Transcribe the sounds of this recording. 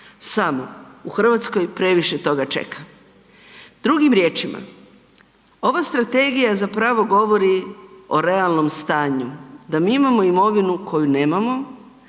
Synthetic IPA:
samo̞uxr̩ʋat̪sko̞jpɾe̞ʋiʃe̞t̪o̞ɡat͡ʃe̞̰kʰa | d̪̥ɾuɡimɾje̞ːt͡ʃima̰ | o̞ʋast̪ɾat̪e̞ɡijazapɾaʋo̞ɡo̞ʋo̞ɾio̞ɾe̞alˠno̞mst̪aːɲud̪amiːimamo̞imo̞ʋinukʰo̞june̞ːmamo̞

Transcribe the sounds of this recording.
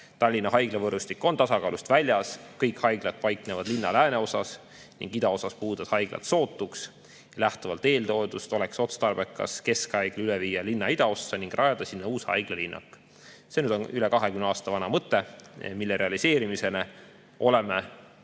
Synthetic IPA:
t̪ɑlʲːinːɑɦɑjɡ̥levɤrust̪ikːo̞nt̪ɑsɑkɑːlust̪vælʲjɑskɤjkhɑjɡ̥lɑt̪̚pɑjknevɑd̪̥linːɑlæːne̞o̞sɑs | nḭŋɡ̥id̪ɑo̞sɑspuːd̪ɑshɑjɡ̥lɑ̰t̪so̞ːt̪ːˑuks | jɑlæht̪uvɑlt̪e̞ːld̪o̞ed̪ust̪o̞lekso̞t̪st̪ɑrb̥e̞kːˑɑ̰ske̞skhɑjɡ̥lyleviːjɑlinːɑid̪̥ɑo̞sːɑniŋɡ̥rʔɑjɑd̪̥ɑsinːɑuːshɑ̰jɡ̥lelinːɑ̰kːˑ | senyd̪o̞nylekɑɦekymnɑːst̪ɑvɑnɑmɤt̪ːˑemilːeɾe̞ɑlise̞ːɾimise̞ne | ʔo̞leme

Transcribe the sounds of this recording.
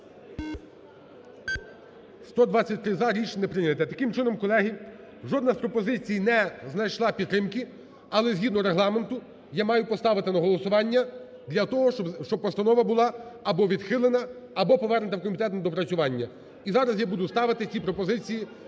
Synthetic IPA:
st̪ɔd̪ʋɑt͡sʲːɐt̚ʲt̪ɾɪzɑɾʲit͡ʃnɛpɾɪnʲɐt̪ɛt̪ɐkɪmt͡ʃɪnɔmkɔlˠɛɦi | ʒɔd̪nɐspɾɔpɔzɪt͡sʲijnɛznɐjʃlˠɑpʲit̪t̪ːɾɪmkɪ | ɐlˠɛzʲɦʲid̪nɔɾeɦlˠɑment̪ʊ | jamɑjʊpɔst̪ɑʋɪt̪ɪnɐɦɔlˠɔsʊʋɑnʲːɐ | d̪lʲɐt̪ɔɦɔʃt͡ʃɔbpɔst̪ɐnɔʋɐbʊlˠɑːbɔʋʲid̪xɪlˠenɐːbɔpɔʋɛrnɪt̪ɐwkɔmʲit̪ɛt̪nɐd̪ɔpɾɐt͡sʲʊʋɑnʲːɐ | izɑɾɐzjabud̪ʊst̪ɑʋɪt̪ɪt͡sʲipɾɔpɔzɪt͡sʲiji

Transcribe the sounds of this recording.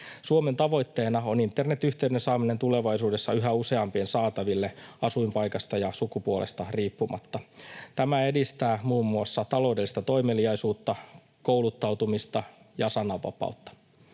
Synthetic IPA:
suome̞nt̪ɑʋo̞jt̪ːe̞ːnɑo̞nint̪ːerne̞t̪ːyçt̪eydensɑːmine̞nt̪ule̞ʋɑjsuːde̞sːɑyɦæuse̞ɑmpiensɑːt̪ɑʋilːe̞ɑsuimpɑjkɑst̪ɑjɑsukupuolḛst̪ɑriːpːumɑ̰t̪ːɑt̪æmæe̞dist̪æːmuːmːuɑsːɑt̪ɑloudelːist̪ɑt̪o̞imeliɑisuːt̪ːɑ | koulut̪ːɑwt̪umist̪ɑ | jɑsɑnɑʋɑ̰pɑ̰ut̪ːɑ̥

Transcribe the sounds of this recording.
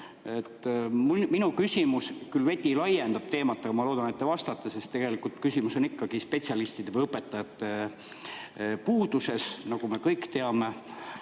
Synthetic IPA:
et̪ːmminukysʲimuskylve̞t̪ʲilɑjend̪ɑb̥̚t̪e̞ːmɑt̪ːˑeɡ̥ɑmɑlo̞ːd̪̥ɑnet̪ːevɑst̪ɑt̪ːˑese̞st̪e̞ɡ̥e̞likːˑult̪kysimuso̞nikːɑɡ̥ispe̞tʲsiɑlist̪id̪̥e̞vəjɤpːˑet̪ːˑɑjɑt̪ːe | puːd̪use̞snɑɡ̥ume̞kɤjkt̪e̞ɑme̞

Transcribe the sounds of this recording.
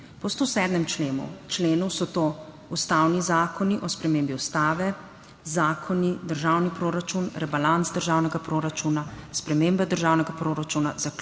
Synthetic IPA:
pɔst̪osɛːd̪mɛmt͡ʃleːnṵt͡ʃleːnusɔt̪oː | ust̪awnizaːkɔniʔɔspɾɛmeːmbiust̪aːʋɛ | zaːkʰɔnid̪əɾʒawnipɾoːɾat͡ʃunɾɛbalantsd̪əɾʒaːwnɛɡapɾoːɾat͡ʃuːnaspɾɛmeːmbɛd̪əɾʒaːwnɛɡapɾoːɾat͡ʃuna̰zak

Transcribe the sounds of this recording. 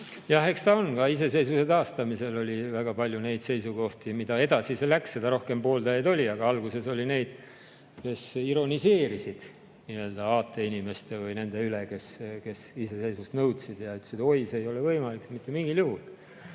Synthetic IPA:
jɑhe̞kst̪ɑonɡ̥ɑise̞se̞jsuse̞t̪ɑːst̪ɑmise̞lo̞lʲivæɡ̥ɑpɑlʲjune̞jd̪̥se̞jsuɡo̞ht̪imid̪ɑe̞d̪ɑsiselːæksːe̞d̪̥ɑɾo̞hke̞mpo̞ːld̪ɑjɑd̪o̞lʲiɑɡ̥ɑɑlɡ̥use̞so̞lʲine̞jd̪̥ | ke̞siɾo̞nise̞ːɾisid̪̥ | niø̞ːld̪̥ɑɑːt̪ːˑe̞inʲime̞st̪e̞vɯjne̞nd̪̥e̞yleke̞ske̞sise̞se̞jsust̪nɤwt̪sid̪̥jɑyt̪ːesid̪o̞jseejo̞levɤjmɑlikːmit̪ˑːemiŋɡiljuhul

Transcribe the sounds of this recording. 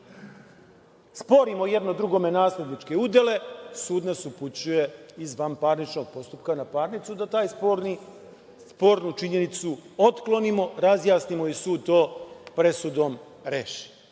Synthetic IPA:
spo̞ɾimojed̪no̞d̪ɾuɡo̞me̞naːsupnit͡ʃke̞ud̪e̞le̞suːd̪nasuput͡ɕuje̞izʋampaːɾnit͡ʃno̞ɡ̚po̞st̪upkanapaːɾnit̪sud̪at̪aːjspoɾni | spo̞ːɾnut͡ʃiɲe̞nit̪suo̞t̪klo̞nimo̞ɾazjaːsnimo̞isuːd̪̚t̪o̞ːpɾe̞sud̪o̞m | ɾeːʃi̥

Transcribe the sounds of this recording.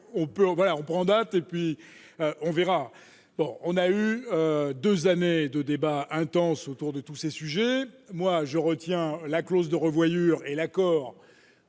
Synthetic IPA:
ɔ̃pøvwalaɔ̃pχɑ̃d̪at̪epɥi | øʔɔ̃vɛʁa | bɔ̰̃ɔ̃nayød̪øzaned̪əd̪ebaɛ̃t̪ɑ̃sot̪uʁd̪ət̪usesyʒɛmwaʒəʁət̪jɛ̃laklozd̪əʁəvwajyːʁelakɔːʁ

